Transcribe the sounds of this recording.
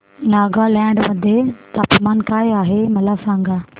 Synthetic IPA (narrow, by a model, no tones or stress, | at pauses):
naːɡalɛ̃ːɳɖmɐd̪ʱet̪aːpmaːnkaːjaːɦemɐlasãːŋɡaː